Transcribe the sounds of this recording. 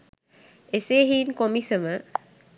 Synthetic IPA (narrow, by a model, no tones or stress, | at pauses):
eseːɦiːnkomisəmə